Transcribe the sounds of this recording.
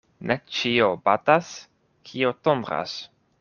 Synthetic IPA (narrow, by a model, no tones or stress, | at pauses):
net͡ʃiobatas | kʰiotondɾa̰s